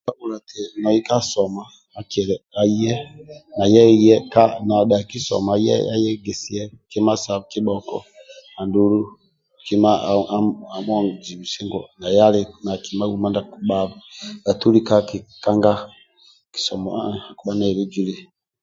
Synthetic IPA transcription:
ba˦βu˨la˨ti˨nɔ˨i˦ka˦sɔ˨ma˨ | a˨kɛ˨ɾɛ˨a˨i˦jɛ˦na˨jɛ˦˨jɛ˦ka˦na˨ɗa˨ki˦sɔ̰˨ma˨˦ɛ̰˦a̰˦jɛ˦ɡɛ˨si˦ɛ˦ki˦ma˦sa˨βki˦ɓɔ˨kɔ̰˦a˨ndu˨˦lu˦ | ki˦ma˦˨a˦a˨mɔ˦ŋ˨d͡ʒi˨βi˨si˦ŋɡɔ̰˨na˨ja˦li˨na˨ki˨ma˦wu˨ma˦nda˨kuɓa˦βɡa˨tu˦li˦ka˦ki˨ka˦ŋɡa˦ | ki̥˨sɔ˨mɔ˨a˨ku˦ɓa˦na˨βi˦d͡ʒi˦li˦

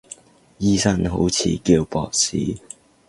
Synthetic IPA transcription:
jiː˥sɐ˥nɦo̰˨˥wt͡sʰḭː˨˥kiː˧wpɔː˧k̚sḭː˨˥

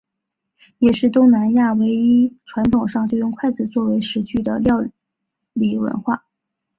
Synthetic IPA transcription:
jɛ˨˩ʂɻ̩˥˩t̪ʊ˥ŋna˧˥nja˥˩we˧˥ɪi˥ʈ͡ʂʰwa˧˥nt̪ʰʊ˨˩ŋʂɑ˥˧ŋt̪jo˥˧ʊjʊ˥˧ŋkʰwa˥˩ɪt͡sɹ̩˨˩t͡swɔ˥˩we˧˥ɪʂɻ̩˧˥t͡ɕʰy˥˩d̪ə̰˩ljɑ˥˧ʊ | li˨˥˩wə̰˧˥nxwa̰˥˩

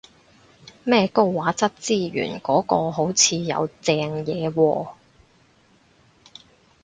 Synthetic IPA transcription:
mɛː˥˧ko˥wwaː˨˥t͡sɐ˥t̚t͡siː˥˩ɥy̰ː˨˩nkɔː˨˥kɔː˧ɦo˨˥wt͡sʰiː˨˧jɐ̰˨˧wt͡sɛː˧ŋjɛː˨˧wɔː˧

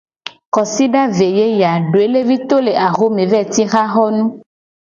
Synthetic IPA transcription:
kɔ˨si˦ɖa˦ve˨je˦ja˨ɖo˨e˦le˦vi˦t̪o˦le˨ʔa˨xo˦mẽ˨vɛ˦˨t̪i˦xa˦ɣɔ˦nũ˦

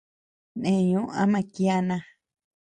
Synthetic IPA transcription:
nẽ˨ɲũ˦ʔã̰˦mã˧ki˦a˦˧nã˧

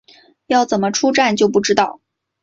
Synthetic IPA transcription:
jɑ˥˩ʊt͡sə˨˩mə˦ʈ͡ʂʰu˥ʈ͡ʂa˥˧nt͡ɕjo˥˧ʊp̬u˥˩ʈ͡ʂɻ̩˥t̪ɑ˥˩ʊ

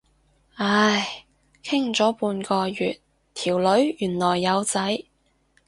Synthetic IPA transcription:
a˧j | kʰɪ˥ŋt͡sɔː˨˥puː˧nkɔː˧jyː˨˩t̪̚ | t̪ʰiː˨˩wlɵ˨˥ɥjyː˨˩nlɔː˨˩jːɐ˨˧wt͡sɐ˨˥j

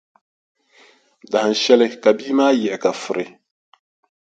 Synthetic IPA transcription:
da˨ha˨n˨ʃɛ˦lɪ˦ka˨biː˦maː˦jɛ˨ka˨fʊ˨ɾɪ˨

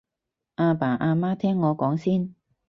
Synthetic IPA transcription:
ʔaː˧paː˨˩ʔaː˧maː˥t̪ʰɛː˥ŋːɔː˨˧kɔː˨˥ŋsiː˥n

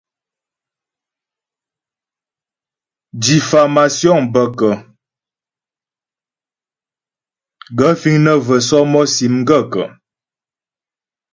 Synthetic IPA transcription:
di˨fa˨ma˨sjɔ˦˨ŋbə˨kə˨ | ɡə˦fi˦ŋnə˦və˨sɔ˦mɔ˦si˨˦m˦ɡə˦˨kə̰˨

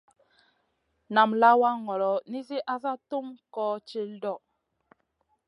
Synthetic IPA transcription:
na˨mla˦wa˦ŋɔ˨ɾɔ˨˦ni˦s̬i˦ʔa˦sa˦tu˦mkɔ˦t͡ʃi˦ldɔ˦˨

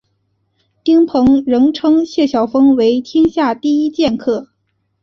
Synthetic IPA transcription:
t̪i˥ŋpʰɤ˧˥ŋɻɤ˧˥ŋʈ͡ʂʰɤ˥ŋɕjɛ˥˩ɕjɑ˨˩ʊfɤ˥ŋwe˧˥ɪt̪ʰi˥ŋɕja˥˧t̪i˥˩i˥t͡ɕjɛ˥˧nkʰɤ˥˩

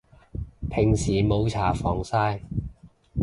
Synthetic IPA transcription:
pʰɪ˨˩ŋsiː˨˩mo˨˧wt͡sʰaː˨˩fɔː˨˩ŋsaː˥j

